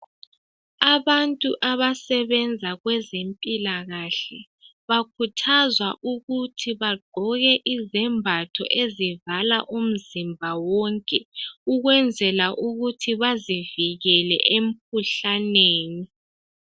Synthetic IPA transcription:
aβantʼuʔaβasɛβɛnd͡zʱaɣwɛzempʼilaɣaɬɛ | βakʰutʰazwaʔuɣutʰiβaɡ͡ǃʱɔɣɛʔizɛmbʱatʰɔ̰ʔezivalaʔum̩zimbʱawɔŋkʼɛuɣwɛnd͡zʱɛlaʔuɣutʰiβaziviɣɛlɛ̰ʔem̩k̚ʰuɬaneːni

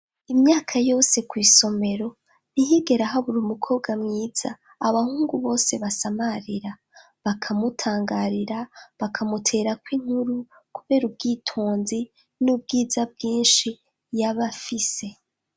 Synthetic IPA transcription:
imɲaːkʰajo̞ːse̞kwiːso̞me̞ɾo̞ | niɦiɡe̞ɾaɦaβuɾumukʰo̞ːbɡamŋiːz̥a̰ː | βahuːŋɡuβo̞ːse̞βasamaɾiɾa | βakʰamutʰaːŋɡaɾiɾaβakʰamutʰe̞ːɾakwiːŋ̥huɾu | kuβe̞ːɾub̚ɡiːtʰoːnzi | nub̚ɡiːzab̚ɡiːnʃi | jaβafise̞

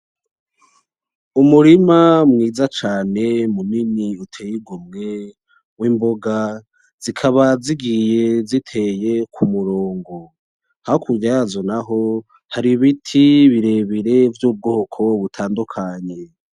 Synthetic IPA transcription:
umuɾimamŋiːzat͡ʃaːne̞muniniutʰejiɡomŋe̞ | wiːmbo̞ɡa | z̥ikʰaβaziɡije̞zitʰe̞je̞kʰumuɾoːŋɡo̞ | hahokuɾɟazonaɦo̞ | haɾiβitʰiβiɾe̞βiɾe̞vjuːb̚ɡo̞ːkʰo̞βutʰaːndukʰaɲe̞

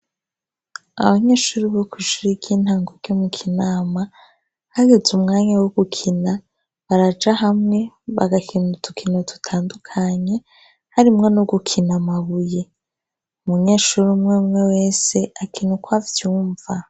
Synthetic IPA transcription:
a̰βaɲeʃuɾiβokʰuʒuɾiɡiːn̥haːŋɡoɾɟomukʰinaːma | haɡezumŋaːɲawoɡ̥ukʰina | βaɾad͡ʒaɦamŋe̞ | βaɡakʰinutʰukʰinotu̥tʰaːndukʰaɲe̞ | haɾimŋe̞noɡukʰinamaβuje | umuɲe̞ːʃuɾimŋemwe̞we̞ːse̞akʰinukwavjuːɱva

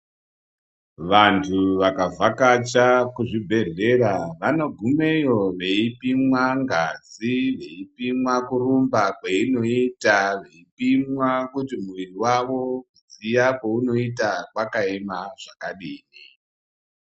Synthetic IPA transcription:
ʋantʰuʋakavakat͡ʃakuʐibʱe̞ɮe̞ɾaʋano̞ɡʱume̞jo̞ʋe̞ipimwaŋɡad͡ziʋe̞ipimwakurumbakweino̞itaʋe̞ipimwakutimuwiriwaʋo̞kud͡zijakouno̞itakwakaemaʐ̥akaɗiːni

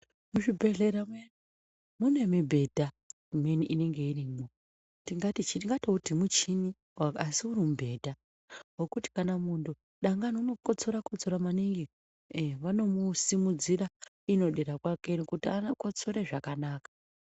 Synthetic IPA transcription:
muʐibʱe̞ɮe̞ɾame | mune̞mibʱe̞dʱa | umeniʔine̞ŋɡe̞irimo | tiŋɡatit͡ʃitiŋɡatoutimut͡ʃini | waasiurimubʱe̞dʱa | wokuti̥kanamundu | ɗaŋɡanounokot͡so̞ɾakot͡soɾamaniŋɡe | ʋano̞musimud͡ziɾa | ino̞ɗeɾakwake̞nekutianako̞t͡so̞ɾe̞ʐakanaːkḁ

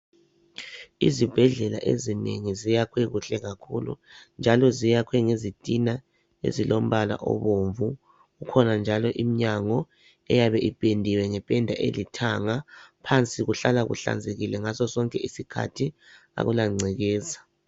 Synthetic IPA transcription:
ḭzib̥ʱɛɮɛla̰ʔḛzineŋizijakʰweɣuɬɛɣakʰulṵnd͡ʒʱalɔzijakʰwɛŋezitʼina | ḛzilom̩βala̰ʔɔ̰βoɱvu | ɣukʰɔnand͡ʒʱalɔʔimiɲaŋɔ | ɛjaβɛʔipʼendʱiwɛŋɛpʼɛndʱaʔḛlitʰaŋapʰant͡sʼiɣuɬalaɣṵɬa̰nd͡zʱeɣilɛŋasɔsɔŋkʼɛisikʰa̰tʰi | a̰ɣulaŋ͡ǀʱɛɣɛːzḁ

